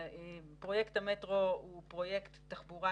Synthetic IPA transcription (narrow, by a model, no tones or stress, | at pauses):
pʁo̞jektametʁoupʁo̞jektːaχbuʁa